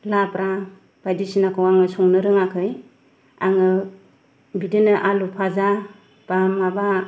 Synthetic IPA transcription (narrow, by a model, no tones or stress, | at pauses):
lapɾa | b̥ajdisinakʰɯwaŋɯsɔŋnɯɾɯŋakʰɯj | aŋɯ | bidɯnɯʔalupʰaza | b̥amaba